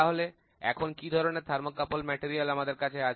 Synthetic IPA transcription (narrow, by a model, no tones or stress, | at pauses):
aɦole | ɛ̰kʰonkid̪ʱɔɾoneɾd̪ʱaɾmokːapolmɛʈiɾialamad̪eɾkat͡ɕʰea